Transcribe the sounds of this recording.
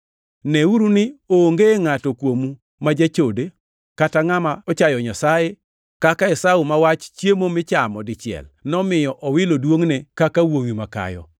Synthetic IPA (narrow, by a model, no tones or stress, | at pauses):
nɛuɾunɪoŋɡeŋatɔkwomu | mad͡ʒat͡ʃode | kataŋamaɔt͡ʃajɔɲasaje | kakaɛsaumawat͡ʃt͡ʃjemomɪt͡ʃamɔdɪt͡ʃɪɛ̰lnɔmɪjɔʔɔwɪlodwoŋnekakawowimaka̰jɔ̰